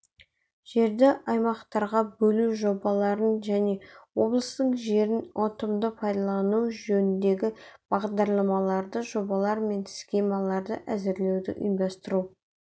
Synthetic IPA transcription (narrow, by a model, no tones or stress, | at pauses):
ʒ̥e̞ɾd̪ɪʔɑjmɑqt̪ɑɾʁɑbɵluʒo̞bɑlˠɑɾənʒæne̞wo̞blˠəst̪əɴʒe̞ɾɪnʔo̞t̪əmd̪əpʰɑjd̪ɑlˠɑnuwʒɵnɪnd̪e̞ɡʲɪb̥ɑʁd̪ɑɾlˠɑmɑlˠɑɾd̪əʒo̞bɑlˠɑɾme̞ntskʲemɑlˠɑɾd̪ə̰ʔæzɪɾle̞wd̪ɪ̰ʔʊ̰jmd̪ɑst̪əɾu